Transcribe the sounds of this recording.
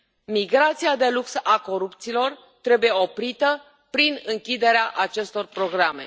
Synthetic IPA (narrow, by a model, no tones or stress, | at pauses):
miɡɾat̪sijad̪e̞luksako̞ɾupt̪siːlo̞r | t̪ɾe̞buje̞o̞pɾit̪ə | pɾinɨŋkʲid̪e̞ɾeaʔat͡ʃe̞st̪o̞rpɾo̞ɡɾame̞̰